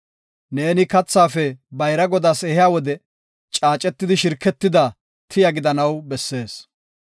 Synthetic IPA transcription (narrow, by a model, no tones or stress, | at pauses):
ne̞ːnɪkɐt͡sːaːfɛbɐjɾɐɡɔd̪aːsɛhɪjaːwɔd̪ɛ | t͡ʃʼaːt͡ʃʼɛt̪ːɪd̪ɪʃɪɾkːɛt̪ːɪd̪ɐ | t̪ʰɪjɐɡɪd̪ɐnɐwbɛsːe̞ːs